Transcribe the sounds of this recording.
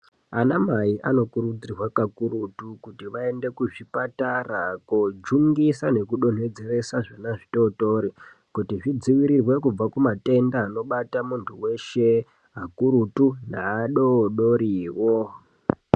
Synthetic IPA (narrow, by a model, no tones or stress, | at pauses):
anamaiʔano̞kuɾud͡zirwakakuɾutukutiʋae̞nde̞kuʐipatarakod͡ʒuŋɡisane̞kuɗo̞n̤we̞d͡ze̞ɾe̞saʐanaʐito̞toɾi | kutiʐid͡ziʋiɾirwe̞kub͡vakumate̞ndaːno̞ɓatamuntʰuwe̞ʃe̞ | ɦakuɾutunaːɗoɗoɾiːwo